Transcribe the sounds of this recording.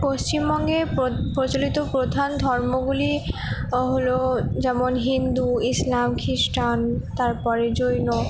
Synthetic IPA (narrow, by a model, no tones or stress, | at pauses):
post͡ɕimbɔŋɡepɾot͡ɕolit̪opɾod̪ʱand̪ʱɔɾmoɡuli | ɦolod͡ʑɛmonɦind̪uislamkʰisʈʰant̪aɾpɔɾed͡ʑojno